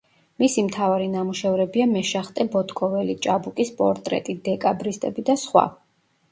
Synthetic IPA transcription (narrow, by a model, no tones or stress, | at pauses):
misimt̪ʰavaɾinamuʃɛvɾɛbiamɛʃaχt̪ʼɛbɔt̪ʰkʼɔvɛlit͡ʃʼabukʼispʼɔ̰ɾt̪ʼɾɛ̰t̪ʼid̪ɛkʼabɾist̪ʼɛbid̪asχwa̰